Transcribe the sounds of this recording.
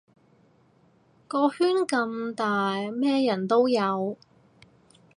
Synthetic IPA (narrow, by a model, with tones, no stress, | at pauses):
kɔː˧hyː˥nkɐ˧mt̪aː˨jmɛː˥jɐ˨˩nt̪o˥wjɐ˨˧w